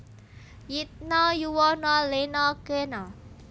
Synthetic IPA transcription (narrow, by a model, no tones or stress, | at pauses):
jit̪̚nɔjuwɔnɔlenɔkenɔ